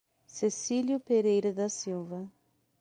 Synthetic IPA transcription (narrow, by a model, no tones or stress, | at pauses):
sesiljʊpeɾejɾɐd̪ɐsiwvɐ